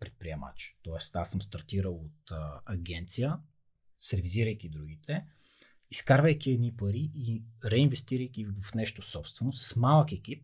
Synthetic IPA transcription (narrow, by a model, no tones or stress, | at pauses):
pɾɛt̪̚pɾiɛma̰t͡ʃt̪ɔɛst̪asəmst̪ɐɾt̪iɾəlˠot̪ːɐɡʲɛnt̪sijə | sɛɾviziɾəjk̟id̪ɾuɡit̪ɛ | iskaɾvəjk̟ʲiɛd̪nipɐɾiʔiɾɛinvɛst̪iɾəjk̟ivɐfnɛʃt̪osɔpst̪vɛnosɐ̥smalˠəkɛkip̚